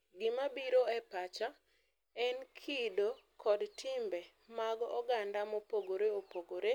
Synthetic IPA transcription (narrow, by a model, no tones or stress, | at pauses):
ɡɪmabiɾoɛpat͡ʃa | ɛnkʰidokʰɔdtʰɪmbɛ | maɡɔ̰ɡandamopoɡoɾeopoɡoɾe